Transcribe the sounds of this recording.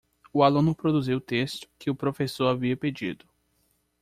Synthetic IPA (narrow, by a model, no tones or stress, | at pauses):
ʊalũnʊpɾod̪uziwʊt̪est̪ʊ̥kɪʊpɾofesoɾaviɐped͡ʒḭd̪ʊ